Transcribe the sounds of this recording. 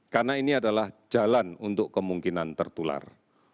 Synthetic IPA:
karnainiadalahd͡ʒalanunt̪ʊkːəmuŋkinant̪ərt̪ula̰r

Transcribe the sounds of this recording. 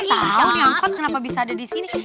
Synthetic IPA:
t̪ajaŋkɔt̪̚kənapabisaːdadisini

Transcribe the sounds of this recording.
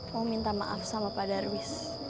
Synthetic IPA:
ɔmint̪ama̰ʔa̰fsamapadarwis

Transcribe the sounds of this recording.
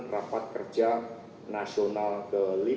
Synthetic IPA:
rapat̪̚kər̥d͡ʒa | nasionalkəli

